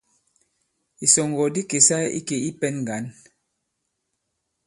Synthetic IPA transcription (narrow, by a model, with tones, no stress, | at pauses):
i˨sɔ˨ŋɡɔ˨di˦ke˨sa˦ḭ˦ke˨i˦pɛ˦nŋ˨ɡa˨˦n